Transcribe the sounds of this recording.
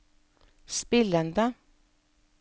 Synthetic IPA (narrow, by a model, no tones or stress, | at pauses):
spɪlənd̪ə